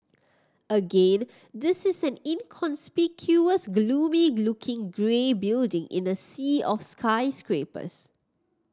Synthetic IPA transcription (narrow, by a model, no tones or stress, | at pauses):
əɡẽn | d̪ɪsɪsɛ̃nɪ̃nkʰɔ̃nspɪkʰjuəsɡluːmilʊkʰɪ̃ŋɡɹebɪldɪ̃ŋʔɪ̰̃nəsiːɔfskʰaɪskɹepə̰s